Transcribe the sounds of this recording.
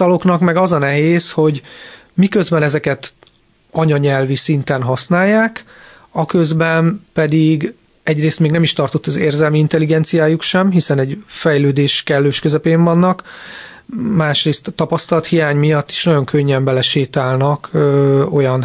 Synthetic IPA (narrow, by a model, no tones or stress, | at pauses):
t̪ɒlo̞knɒkmɛɡɒzɒnɛɦeːsho̞ɟ | mikø̞zbɛnɛzɛkɛt̪ | ɒɲɒɲɛlvisint̪ɛnɦɒsnaːjːaːk | ɒkø̞zbɛnpɛd̪iɡ | ɛɟreːst̪meːɡnɛmiʃt̪ɒrt̪ot̪ːɒzḛːrzɛlmiint̪ɛliɡɛnt̪sijaːjukʃɛmɦisɛnɛɟfɛjløːd̪eːʃkɛlːøːʃkøzɛpeːɱvɒnːɒk | maːʃreːst̪ɒt̪ːɒpɒst̪ɒlɒt̪hijaːɲmijɒt̪ːi̥ʃnɒɟo̞ŋkʰøɲːɛmbɛlɛʃeːt̪aːlnɒkʰøo̞jɒn